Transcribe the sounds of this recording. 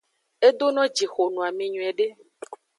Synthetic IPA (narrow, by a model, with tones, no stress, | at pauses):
e˦d̪o˦nɔ̃˦d͡ʒi˨xo˨nũ˨a˨mẽ˨ɲũ˨ɛ˨ɖe˦